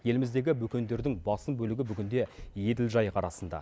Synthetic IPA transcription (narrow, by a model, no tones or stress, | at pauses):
je̞lɪmɪzd̪e̞ɡʲɪbɵkʲe̞nd̪e̞ɾd̪ɪŋbɑsəmbɵlɪɡʲɪbʏɡʲɪnd̪e̞je̞d̪ɪlʒɑjqʰɑɾɑsənd̪ɑ̰